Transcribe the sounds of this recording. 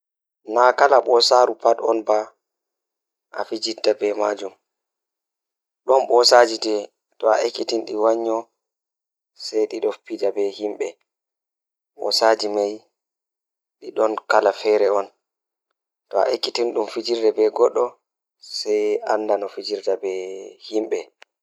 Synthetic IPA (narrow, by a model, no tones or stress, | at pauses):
nakalaɓɔsaɾupatɔnba | ʔa̰fid͡ʒitːabɛmaːd͡ʒum | ɗɔnɓɔsad͡ʒitɛ | tɔaʔekːitinɗiwaɲːɔ | sɛjɗiɗɔpidabɛhimɓɛ | ɓɔ̰sad͡ʒimaj | ɗiɗɔnkalafɛɾɛɔn | tɔa̰ʔekːitinɗumfid͡ʒiɾdɛbɛɡɔɗːɔ | sɛjandanɔfid͡ʒiɾdabɛhimɓɛ